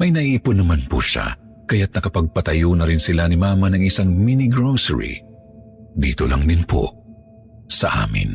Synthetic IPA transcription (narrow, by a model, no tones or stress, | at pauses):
mɐjnɐʔiːpʊnːɐmanpṵʃa̰ | kɐjat̪̚nɐkɐpɐɡ̚pɐt̪ɐjoːnɐɾɪnsɪlanɪmaːmɐnɐŋɪsaŋminɪɡɾowsɛ̰ɹḭ | d̪iːt̪o̰lɐŋd̪ɪnpo̰ | sɐ̰ʔa̰ːmɪ̰n